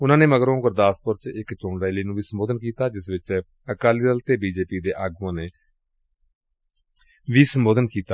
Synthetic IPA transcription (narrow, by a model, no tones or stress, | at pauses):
ʊnãːneːməɡɾõːkəɾd̪aːspʊɾt͡ʃɪkt͡ʃõːɳɾaːliːnũːʋiːsəmboːd̪ənkiːt̪aːd͡ʒɪsʋɪt͡ʃ | əkaːliːd̪əlt̪eːbiːd͡ʒeːpiːd̪eːʔaːɡuãːneː | ʋiːsəmboːd̪ənkiːt̪aː